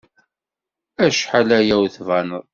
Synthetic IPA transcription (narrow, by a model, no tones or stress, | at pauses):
æʃħalæjæwθvænəðˤ